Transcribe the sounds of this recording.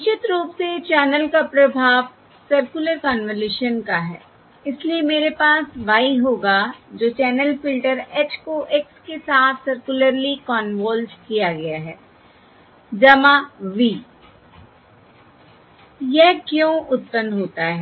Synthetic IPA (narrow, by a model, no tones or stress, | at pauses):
ɪt͡ʃɪt̪ɾuːpset͡ʃɛːnəlkapɾɐbʱaːʋ | sɐɾkjʊləɾkɔːnʋəleːʃənkaɦɛ̰ː | ɪsliemeːɾepaːsʋaːiɦoːɡad͡ʒoːt͡ʃɛːnəlfɪlʈəɾekskoʔekskesaːt̪ʰsɐɾkjʊləɾlikɔːnʋoːld͡ʒkijaɡɐjaɦɛː | d͡ʒɐmãʋiː | jɛɦkjõːʔʊt̪̚pə̃nd̪ɦoːt̪aɦɛː